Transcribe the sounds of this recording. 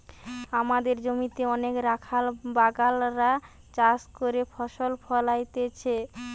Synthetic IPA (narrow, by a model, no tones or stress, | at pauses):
amad̪eɾd͡ʑomit̪eɔnekɾakʰalbaɡalɾa | t͡ɕaskoɾefʰɔʃolfʰɔlajt̪et͡ɕʰe